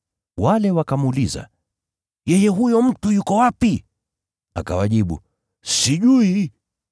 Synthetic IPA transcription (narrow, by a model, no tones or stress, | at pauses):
walɛwakamuliza̰ | jɛjɛɦujɔm̩tujukɔwapi | a̰ka̰waʄiɓṵ | siʄui